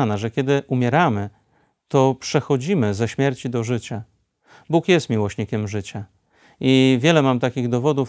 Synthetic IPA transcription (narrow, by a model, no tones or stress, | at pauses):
anaʐɛkʲjɛd̪ɘʔumʲjɛɾamɘ | t̪ɔpʂɛxɔd͡ʑimɘzɛɕmʲjɛɾt͡ɕid̪ɔʐɘt͡ɕa | bukjɛst̪mʲiwɔɕɲikʲɛmʐɘt͡ɕa | ivʲjɛlɛmamt̪akʲiɣd̪ɔvɔd̪uf